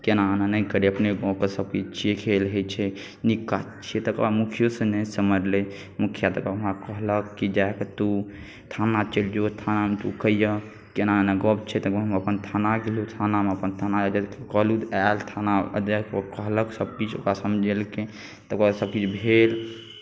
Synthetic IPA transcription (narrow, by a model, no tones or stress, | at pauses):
kenananəjkəɾeəpneɡɔkesəb̚kit͡ʃt͡ʃekʰelɦet͡ʃʰɛ | nikːat͡ʃʰet̪əkamukʰjosə̃nɛsəməɾle | mukʰijat̪əkaɦəmakəɦləkːid͡ʒaeket̪u | t̪ʰanat͡ʃeld͡ʒot̪ʰanamet̪ukəjə | kenaneɡɔbt͡ʃʰɛt̪əkeɦməpənt̪ʰanaɡelut̪ʰanameəpənt̪ʰanad͡ʒəd̪ikekəɦlud̪alt̪ʰanaə̰d̪ekkəɦləksəb̚kit͡ʃʰo̰kɾasəmd͡ʒʱelke | t̪əbkasəb̚kit͡ʃʰbʱel